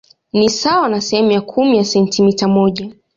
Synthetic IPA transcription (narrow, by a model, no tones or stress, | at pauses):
nisawanasɛhɛmujakʰumijasɛntʰimitamɔʄa